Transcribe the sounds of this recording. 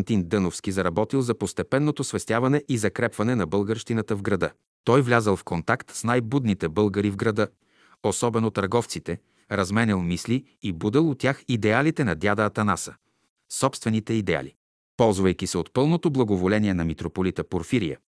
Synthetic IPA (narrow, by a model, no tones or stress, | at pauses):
nt̪ind̪ɤnofskʲizɐɾɐbɔt̪ilˠzɐpost̪ɛpɛnːot̪osvɛst̪ʲjavɐnɛʔizɐkɾɛpvɐnɛnɐbɤlˠɡəɾʃt̪inət̪əvɡɾɐd̪ɤ | t̪ɔjvlʲazəlˠfkont̪akt̪snajbud̪nit̪ɛbɤlˠɡəɾivɡɾɐd̪ɤ | osɔbɛnot̪ɐɾɡɔft̪sit̪ɛ | ɾɐzmɛnʲɛlˠmisli | ibud̪ɛlˠot̪ʲjaxid̪ɛalit̪ɛnɐd̪ʲjad̪ɐːt̪ɐnasə | sɔpst̪vɛnit̪ɛid̪ɛa̰li | pɔlˠzvɐjk̟isɛot̪pɤlˠnot̪oblˠɐɡovolɛniɛnɐmit̪ɾopolit̪əpoɾfiɾijə̰